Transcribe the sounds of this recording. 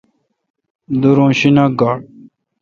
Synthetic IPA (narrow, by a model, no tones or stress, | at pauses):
d̪uɾõːɕinaɡaːɽ